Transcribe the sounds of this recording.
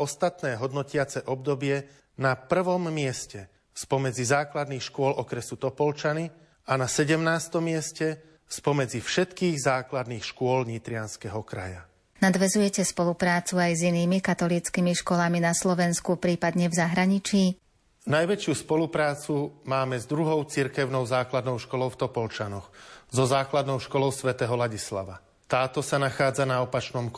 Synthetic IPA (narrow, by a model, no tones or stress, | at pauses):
ɔst̪at̪nɛːɦɔd̪nɔcɪat͡sɛʔɔb̚d̪ɔbɪɛ | napr̩ʋɔmːɪɛscɛ | spɔmɛd͡zizaːklad̪niːxʃkʊɔlɔkɾɛsut̪ɔpɔlt͡ʃani | anasɛɟɛmnaːst̪ɔmːɪɛscɛ | spɔmɛd͡zifʃɛt̪kiːɣzaːklad̪niːxʃkʊɔlɲit̪ɾɪanskɛɦɔkɾa̰ja̰ | nad̪ʋɛzujɛcɛspɔlupɾaːt͡suajziniːmikat̪ɔliːt͡skimiʃkɔlaminaslɔʋɛnskupɾiːpad̪ɲɛvzaɦɾaɲit͡ʃiː | najʋɛt͡ʃɪuspɔlupɾaːt͡sumaːmɛzd̪ɾuɦɔʊt͡siɾkɛʊnɔʊzaːklad̪nɔʊʃkɔlɔʊft̪ɔpɔlt͡ʃanɔxzɔzaːklad̪nɔʊʃkɔlɔʊsʋɛt̪ɛɦɔlaɟisla̰ʋa | t̪aːt̪ɔsanaxaːd͡zanaɔpat͡ʃnɔmk